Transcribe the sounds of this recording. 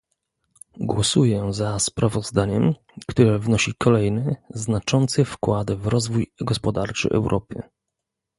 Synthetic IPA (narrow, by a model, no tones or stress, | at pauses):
ɡwɔsujɛzaspɾavɔzd̪aɲɛm | kt̪uɾɛvnɔɕikʰɔlɛjnɘznat͡ʂɔnt̪sɘfkwad̪vɾɔzvujɡɔspɔd̪aɾt͡ʂɘ̰ʔɛ̰wɾʔɔ̰pɘ̰